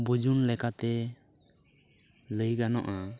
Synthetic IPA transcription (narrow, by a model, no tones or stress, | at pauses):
bəd͡ʒunlɛkat̪ɛ | ləjɡanɔ̰ʔa